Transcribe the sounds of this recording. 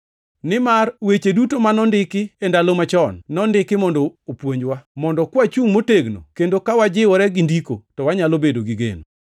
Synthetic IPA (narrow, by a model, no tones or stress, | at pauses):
nɪmarwet͡ʃedutomanɔndɪkɪendalomat͡ʃɔnːɔndɪkɪmɔndɔopwoɲd͡ʒwamɔndɔkwat͡ʃuŋmoteɡno̰kendokawad͡ʒɪwɔɾɛɡɪndiko̰tɔwaɲalobedoɡiɡḛno